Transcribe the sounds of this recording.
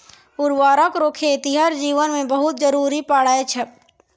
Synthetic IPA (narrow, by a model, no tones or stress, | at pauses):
ʊɾʋaːɾəkɾoːkʰet̪iɦəɾd͡ʒiːʋənmẽbɐɦʊt̪̚d͡ʒəɾuːɾipaːɽaːet͡ʃʰɛ